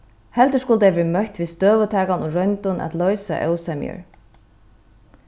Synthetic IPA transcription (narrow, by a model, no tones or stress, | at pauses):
hɛlt̪əskʊlt̪ɛːvɛːmœht̪vist̪œːʋət̪ʰaːkanuɾœnt̪ʊnʔa̰t̪lɔɥsa̰ʔœwsamj̰ʏ̰ɹ